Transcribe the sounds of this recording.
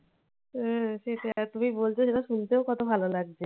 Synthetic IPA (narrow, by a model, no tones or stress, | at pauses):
ɦɛ̃ʃeʈet̪umibolt͡ɕʰeʃeʈaʃunt̪eokɔt̪obʱalolaɡ̚d͡ʑe